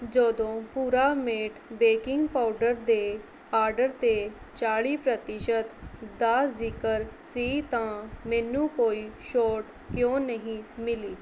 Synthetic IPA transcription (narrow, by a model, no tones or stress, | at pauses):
d͡ʒoːd̪õːpuːɾaːmeːʈbeːkɪŋɡpaːʊɖəɾd̪eː | aːɾɖəɾt̪eː | t͡ʃaːɽiːpɾət̪ɪʃət̪d̪aszɪkəɾsiːt̪ãːmɛ̃ːnːũːkoːiːʃoːɾʈ | kjõːnəɦĩːmɪliː